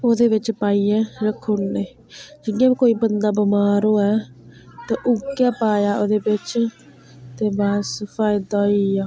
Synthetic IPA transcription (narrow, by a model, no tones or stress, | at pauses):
oːd̪eːbɪt͡ʃpaːiːɛːɾəkʰːonneː | d͡ʒɪɽɪãːbiːkoːiːbənd̪aːbəmaːɾoːɛː | t̪ɛ̃ːʔʊɡjaːpaːjaːʔoːd̪eːbɪt͡ʃ | t̪eːbaːspʰaːjɪd̪aːiːaː